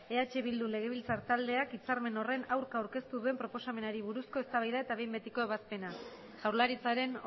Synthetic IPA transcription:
e̞at͡ʃe̞βild̪ule̞ɣ̞e̞β̞ilt͡saɾt̪ald̪e̞akit͡saɾme̞no̞re̞nawɾkaːwɾke̞st̪uðue̞mpɾo̞po̞same̞naɾiβuɾusko̞e̞st̪aβajðae̞t̪aβe̞jmbe̞t̪iko̞eβ̞aspe̞na | ʝawɾlaɾit͡saɾe̞n

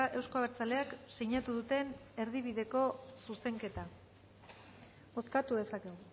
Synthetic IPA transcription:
aʔe̞wsko̞aβeɾt͡sale̞akseɲat̪uðut̪e̞ne̞ɾðiβiðe̞ko̞suse̞ŋke̞t̪a | o̞skat̪uð̞e̞sakeɣo

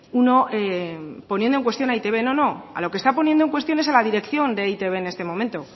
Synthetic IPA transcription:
uno̞epo̞njendoeŋkwe̞st̪jonait̪e̞βe̞no̞no̞a̰lo̞kest̪apo̞njend̪oe̞ŋkwe̞st̪jo̞nesalaðiɾe̞kθjo̞nd̪eait̪e̞βe̞ːne̞st̪emõ̞mẽnt̪o̞

